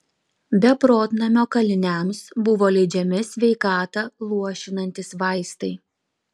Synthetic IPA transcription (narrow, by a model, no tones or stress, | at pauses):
bʲɛpɾoːt̪ʲnɐmʲoːkɐlʲɪnʲæˑmsbʊʋoːlʲɛɪd͡ʒʲɛmʲɪsʲʋʲɛɪkɑːt̪ɐlˠuɔʃʲɪnɐnʲt̪ʲɪsʋɐˑɪst̪ɐɪ